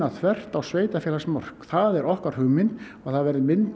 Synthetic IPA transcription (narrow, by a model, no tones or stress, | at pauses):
at̪ʰvɛr̥t̪awsveːjt̪afɛːlasmɔr̥kθaðɛɾʔɔhkaɾ̥hʏːmɪn | aɣθaðvɛɾðɪmɪnt̪